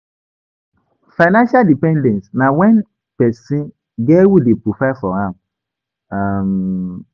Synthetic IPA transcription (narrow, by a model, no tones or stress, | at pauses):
faɪnãnʃadipɛ̃ndɛ̃nsnãwɛ̃n | pɛsĩn | ɡɛwudepɾopafɔhãm | am